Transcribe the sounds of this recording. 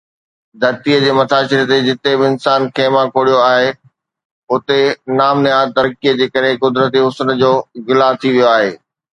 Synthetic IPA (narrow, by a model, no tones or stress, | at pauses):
d̪ʱɐɾt̪iəd͡ʑeːmɐt̪ʰaːsɪɾt̪ed͡ʑɪt̪ebɪɪnsaːnkʰeːmãkʰoːɽijoaːɦe | ʊt̪enaːmneaːt̪ɐɾkiəd͡ʑeːkɐɾɦekʊd̪ɾət̪̬iɦʊsənəd͡ʑoːɣɪlat̪ʰiʋijoaːɦeː